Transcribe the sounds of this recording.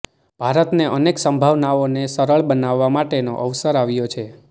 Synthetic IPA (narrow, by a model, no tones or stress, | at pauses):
b̥ʱaɾət̪neʔəneksəmbʱaʋnaʋonesəɾəɭbənaʋːamaʈeno̰ʔəʋsəɾaʋjot͡ʃʰe